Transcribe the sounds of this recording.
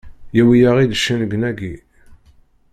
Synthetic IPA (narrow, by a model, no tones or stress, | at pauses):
jæwijaʁid̪əʃːænəɡənæɡi